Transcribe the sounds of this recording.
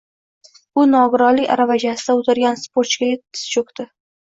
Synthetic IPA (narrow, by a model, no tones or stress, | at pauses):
ʊnɒɡʊɾɒlɪkʲa̰ɾavad͡ʒasɪd̪aot̪ʰɪɾɡʲanspoɾt͡ʃkʲaet̪ːɪ̥st͡ʃokt̪ɪ